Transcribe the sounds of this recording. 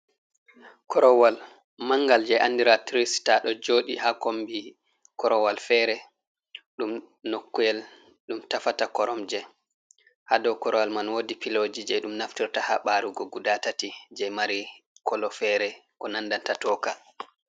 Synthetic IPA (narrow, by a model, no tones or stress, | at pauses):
kʰɔɾɔwal | maŋɡald͡ʒɛjʔanːdiɾatɾistaɗɔd͡ʒoɗihakombi | kɔɾɔwalfɛɾɛ | ɗum | nokːujɛl | ɗumtafatakɔɾɔmd͡ʒɛ | hadɔwkɔɾɔwalmanwodipilod͡ʒid͡ʒɛɗumnaftiɾtahaɓaɾuɡɔɡudatatid͡ʒɛjmaɾikɔlɔfɛɾɛkɔnanːdantatɔːka